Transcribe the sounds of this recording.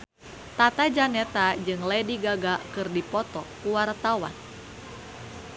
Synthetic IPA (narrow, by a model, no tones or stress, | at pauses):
t̪at̪ad͡ʒanɛt̪ad͡ʒɨŋlɛdiɡaɡakɨrdipɔt̪ɔkuwart̪awa̰n